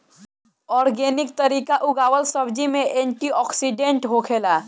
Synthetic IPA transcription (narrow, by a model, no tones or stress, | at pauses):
ɔːɾɡeːnɪk̚t̪ɐɾiːkaʔʊɡaːwəlsɐbd͡ʒimẽʔẽːɳʈiɔːksiɖẽɳʈɦokʰeːlaː